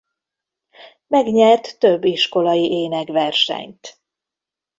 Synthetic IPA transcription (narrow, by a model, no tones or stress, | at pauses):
mɛɡɲɛrt̪ːøbːiʃko̞lɒjiʔeːnɛɡʋɛrʃɛ̰ɲt̪